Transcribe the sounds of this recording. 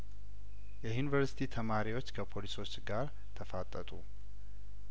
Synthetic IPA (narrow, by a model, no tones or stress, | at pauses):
jɛjunivəɾsi̥t̪ʰit̪ʰəmaɾiwo̞t͡ʃːkʰəpʰo̞liso̞t͡ʃːɡaɾ | t̪ʰəfat̪ʼːət̪ʼu